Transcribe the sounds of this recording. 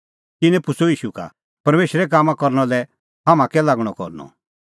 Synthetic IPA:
t̪ɪnɛ̃pʊsoiːʃuka̰ | pɐɾmeːʃɾɛk̬aːmãkɔɾñɔ̃lɛ | ɦamãkɛlaɡɽ̃ɔkɔ̰ɾnɔ̰

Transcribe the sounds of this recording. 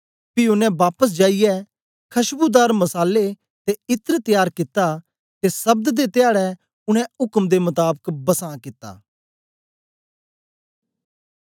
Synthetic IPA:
piʊnɛ̃baːpəs̬d͡ʒaːijɛ | kʰɐʃbud̪aːɾmɐsaːle | t̪eɪt̪əɾt̪ɪjaːɾkɪt̪ːa | t̪esɐb̚d̪d̪et̪ejaːɽɛ | ʊɽ̃ɛ̃ʊkəmd̪emʊt̪aːbəkbɐsãːkɪt̪ːa̰ː

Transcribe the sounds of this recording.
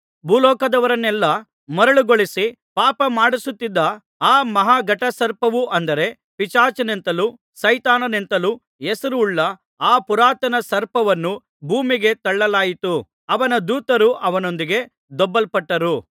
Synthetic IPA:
bʱuːlɔːkɐd̪ɐʋɐɾɐnːɛlːɐ | mɔɾɐɭuɡoɭisi | paːpɐmaːɽisut̪ːid̪ːɐ | aːmɐɦaːɡɐʈːɐsɐɾpɐʋuʔɐnd̪ɐɾe̞ | pit͡ʃaːt͡ʃɐnent̪ɐlu | sɐjt̪aːnɐnent̪ɐlu | esɐɾuːɭːɐ | aːpuɾaːt̪ɐnɐsɐɾpɐʋɐnːu | bʱuːmiɡe̞t̪ɐɭːɐlaːjit̪u | ɐʋɐnɐd̪uːt̪ɐɾuʔɐʋɐno̞nd̪iɡe̞ | d̪ɔbːɐlpɐʈːɐɾu

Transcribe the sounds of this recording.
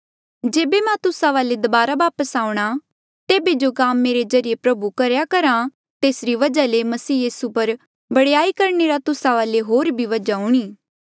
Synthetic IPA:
d͡ʒeːbemɛ̃t̪ʊsãʋaːled̪ɐbaːɾaʋaːpəsaːʊɽ̃a | t̪eːbed͡ʒoɡaːmːeːɾezɐɾɪjepɾɐbukɐɾjakɐɾã | t̪eːsɾiʋɐd͡ʒalemɐsiːjiːsupɐɾ | bɐɽejaːikɐɾɳeɾat̪ʊsãʋaːleɦoːɾbʱiʋɐd͡ʒaɦʊɽ̃iː

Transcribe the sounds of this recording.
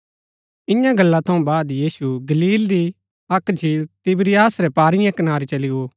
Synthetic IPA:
ɪ̃jãɡɐlːat̪ʰɐ̃ũbaːd̪jiːsuɡɐliːlɾi | ɐkd͡ʒʱiːlt̪ɪbɾɪjaːsɾɛpaːɾɪjãkɐnaːɾit͡ʃɐlɪɡoː

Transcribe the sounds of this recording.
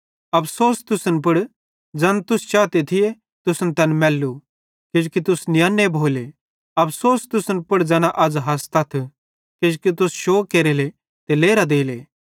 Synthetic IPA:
ɐpsoːst̪ʊsənp̬ʊɽ | d͡ʒɐnt̪ʊst͡ʃaːt̪et̪ʰɪje | t̪ʊsnt̪ɐnmɛːlːu | kɪd͡ʒkit̪ʊsnɪjanːebʱoːle | ɐpsoːst̪ʊsənpʊɽd͡zɛːnaʔɐd͡zɦɐst̪ɐt̪ʰ | kɪd͡ʒkit̪̬ʊsʃoːkːeːɾele | t̪eleːɾad̪eːleː

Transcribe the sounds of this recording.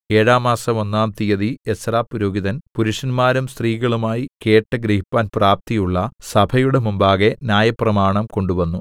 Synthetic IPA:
e̞ːɻaːmaːsɐmo̞nːaːmt̪ijɐðiesraːpːuɾoːɡiðɐnpuɾuʂɐnmaːɾumst̪riːɣɐɭumaːjike̞ːʈːɨɡɾɐhipːaːnpraːp̚t̪ijuɭːɐsɐbʰʱɐjuɽemumbaːɣe̞nʲjaːjɐprɐmaːɳɐmko̞ɳɖuʋɐnːu

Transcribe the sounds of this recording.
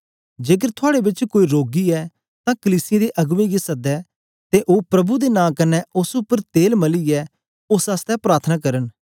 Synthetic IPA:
d͡ʒeːk̬əɾt̪ʰʊaːɽebɪt͡ʃkoːiɾoːɡiɛː | t̪ãːkəliːsɪjed̪eʔɐɡʋẽɡisɐd̪ɛː | t̪eʔoːpɾɐbud̪enãːkɐnɛʊsʊpːəɾt̪eːlmɐliɛː | ʊsast̪ɛpɾaːɾt̪ʰənaːkɐɾən

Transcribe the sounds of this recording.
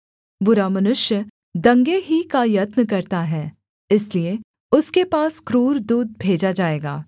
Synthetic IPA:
bʊɾamɐnʊʃjə | d̪ɐ̃ŋɡeɦikajɐt̪nəkɐɾt̪aɦɛː | ɪslie | ʊskepaːskɾuːɾd̪uːd̪̚bʱeːd͡ʒad͡ʒaːeːɡa̰ː

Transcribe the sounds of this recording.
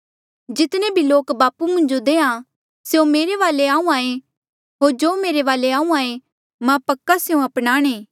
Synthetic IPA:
d͡ʒɪt̪nẽbʱiloːkbaːpumʊ̃nd͡ʒod̪eːã | seõmeːɾeʋaːleaːũaːẽ | ɦoːɾd͡ʒoːmeːɾeʋaːleaːũaːẽ | mãpɐkːaseõɐpnaːɽ̃eː

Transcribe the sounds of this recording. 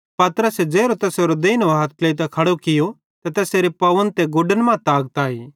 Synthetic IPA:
pɐt̪ɾəsed͡ʒeːɾot̪ɛːseːɾod̪eːinoɦaːt̪̚kleːt̪̬ɐkʰɐɽokɪjo | t̪ɐt̪ɛːseːɾepɐʋənt̪eɡoːɖənmãt̪aːɡ̚t̪aːiː

